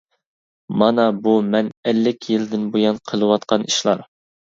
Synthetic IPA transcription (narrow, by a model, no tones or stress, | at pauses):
mɑnɑbumɛnɛlːɪkʲʰjild̪ɪnbojɑnqʰəlˠɨwɑt̪qɑniʃlˠɑɾ